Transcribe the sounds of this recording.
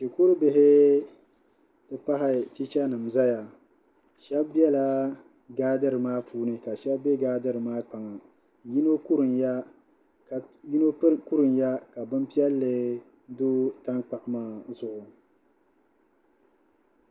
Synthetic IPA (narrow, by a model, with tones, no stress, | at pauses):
ʃe˨ko˦ɾɨ˦bɪ˦ɦɪ˦ | tɨ˦pa˦ɦɪ˦˨t͡ʃi˦t͡ʃa˦nɨ˨m˨za˦ja˨ | ʃɛ˦bbi˦ɛ˦la˦ | ɡaː˦dɨ˦ɾɨ˨maː˦pʰuː˦nɨ˦ka˨ʃɛ˦bbe˦ɡaː˦dɨ˦ɾɨ˨maː˦k͡pa˨ŋa˨ | ji˦no˦ku˦ɾɨ˨nja˦ | kji˦no˦ku˦ɾɨ˨nja˦ka˨bɨ˦m˦pi˦ɛ˦lːɨ˨ | doː˦ta˦ŋk͡pa˨ʔmaː˦zʊ˦˨ʔʊ˨